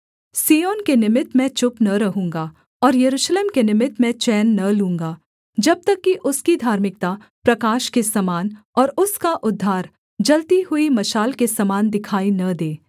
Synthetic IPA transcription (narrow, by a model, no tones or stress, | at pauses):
siːjoːnkenɪmɪt̪mɛ̃t͡ʃʊpnɐɾɐɦũːŋɡa | ɔːɾjɐɾuːʃleːmkenɪmɪt̪mɛ̃t͡ʃɛːnːɐlũːŋɡaː | d͡ʒɐb̚t̪ɐkːiʔʊskid̪ʱaːɾmɪk̚t̪a | pɾɐkaːʃkesɐmaːnɔːɾʊskaʔʊd̪ʱːaːɾ | d͡ʒɐlt̪iɦʊimɐʃaːlkesɐmaːnd̪ɪkʰaːinɐd̪eː